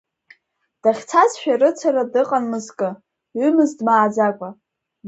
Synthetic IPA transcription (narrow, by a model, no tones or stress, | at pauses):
d̥aχʲt͡sʰazʃᶣarɨt͡sʰaɾadɨqʼanmɨzkʼɨ | ɥʏmɨzdmaːd͡zakʷʼa